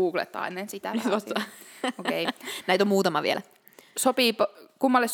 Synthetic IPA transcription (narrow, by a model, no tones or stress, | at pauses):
uːklḛt̪ːɑ̰inensit̪ænit̪ʋɑst̪ɑokejnæit̪omuːt̪ɑmɑʋḭḛlæ | sopiːpkumːɑlːes